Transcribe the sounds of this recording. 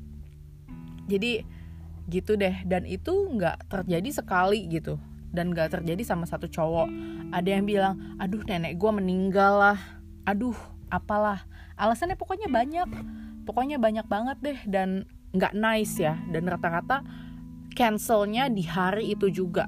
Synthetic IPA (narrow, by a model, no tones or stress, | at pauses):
d͡ʒadi | ɡit̪udɛhdanʔit̪uŋɡa̰ʔt̪ərd͡ʒadisəkaliɡit̪u | danŋɡaʔt̪ərd͡ʒadisamasat̪ut͡ʃowɔʔadajaŋbilaŋadʊhnenɛk̚ɡuaməniŋɡalːah | ʔadʊh | ʔapalah | ʔalasanɲapokoɲabaɲakpɔkoɲabaɲak̚baŋət̪̚dɛhdan | ŋɡa̰ʔnaɪsjadanrat̪akat̪a | kɛnsəlɲadiɦaɾiːt̪ud͡ʒuɡa